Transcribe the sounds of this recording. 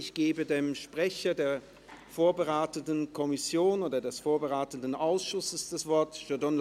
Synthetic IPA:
ɪçɡ̥eːbədeːmʃpʁ̥ɛçɐdeːɐ | foːɐbəʁaɪtəndən̩kʰɔmɪsjoːnoːdɐdɛsfoːɐbəʁaɪtən̩dn̩ʔaʊsʃʊsəsd̥asv̥ɔɐtʒ̥ødɔnl

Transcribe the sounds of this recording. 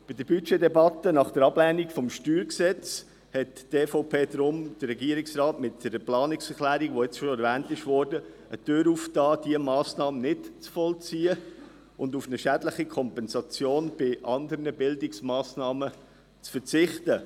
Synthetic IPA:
b̥ɪdəɾbyt͡ʃedɛbɑt̪ːənɑχd̥əɾɑblɛːnikfɔmʃtyːɾksɛt͡s | hɛtteːfoʊpʰeːdɾʊmd̥əːɛɡiəɾɪksrɑːtmɪt̚dɛɾəplɑːnɪksɛɾklæːɾiɡʋoɪt͡sʃoɛɾvæːntɪʃʋɔːɾdə | ətøːɾuːftɑːd̥iəmɑːsnɑːmənɪtt͡sfɔlt͡siːə | ʊndufnəʃædləχikʰɔmpɛnsɑt͡sjoːnb̥ɪʔɑnd̪əɾnəbɪldɪksmɑːsnɑːmə | t͡sfəɾt͡sɪχtə

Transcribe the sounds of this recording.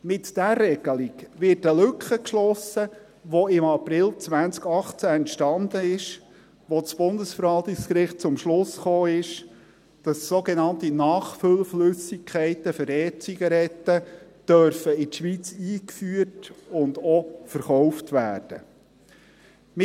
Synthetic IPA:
mɪtd̥ærːɛɡ̥əlɪkʋɪtəlʏkχəkʃlɔsə | ʋɔɪmɑprɪlt͡sʋænt͡skɑχt͡sæɛntʃtɑnd̥̪əɪʃ | ʋɔt͡sb̥ʊndəsfəɾʋɑlt̪ɪkskɾɪχt̚t͡sʊmʃlʊsχoːɪʃ | d̥ɑssoɡɛnɑntinɑːχfʏlflʏsɪkʰχɛɪt̪əfəɾɛːt͡siɡɑɾɛt̪ːə | d̥œɾfəɪtʃʋiːt͡siːkfyːətʊnd̪ɔfəɾχɔwftʋæːrd̥ə̰ | mɪ

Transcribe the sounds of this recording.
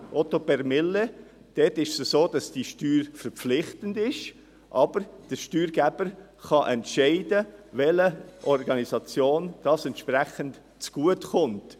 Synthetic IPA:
ʔɔtopɛɾmɪlːe | d̥ɛtɪʃsəsoːd̥ɑsd̥iʃtyːɾfəɾpp͡flɪχtəndɪʃ | ʔɑb̥əɾd̥əʃtyːɾɡæb̥əɾ | χɑʔɛntʃɛɪdəvɛləʔɔɾɡɑnizɑt͡sjoːnd̥ɑsɛntʃpʁɛχənt | t͡sɡ̥uətχʊnt

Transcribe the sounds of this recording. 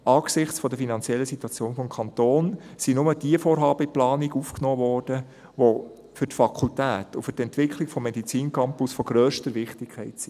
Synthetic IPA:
ɑːɡsɪχt͡sfɔd̪əfinɑnt͡sjɛlːəsit̪uɑt͡sjoːnfɔmkʰɑnt̪oːnsinʊməd̥iəfoːɾɦɑːb̥əiplɑːniɡufknoːʋɔːrd̥ə | ʋo | fʏɾtfɑkʰultæːt̪ʊfʏɾtɛntʋɪkʰlɪkfɔmːedit͡siːnkʰɑmpʊsfɔɡ̥ɾœːʃtəɾʋɪχtɪkʰːɛɪtsi

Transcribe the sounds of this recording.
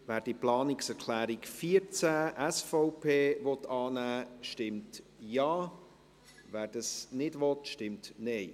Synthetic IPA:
ʋæːɾd̥iəplɑːnɪksɛɾkʰlæːɾikfiəɾt͡sæːʔæsfɔʊpʰeːvɔt̪ːɑːnæːʃtɪmt | jɑː | ʋæːɾd̥ɑsnɪdʋɔtʃtɪmtnɛɪ

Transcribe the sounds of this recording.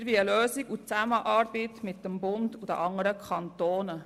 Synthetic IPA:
ʋiəløːziɡut͡sæməʔɑːɾbit̪mɪt̚ːəmbʊnd̪ud̥̪ə̰ʔɑŋəɾəkʰɑnt̪oːnə

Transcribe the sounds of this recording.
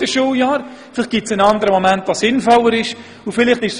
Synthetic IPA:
əʃuːjɑːɾ | fɪlɪχt̚ɡ̥ɪtsənɑndəɾəmomæntvɑsɪnfɔlːəɾɪʃ | ʊfɪlɪχtɪʃs

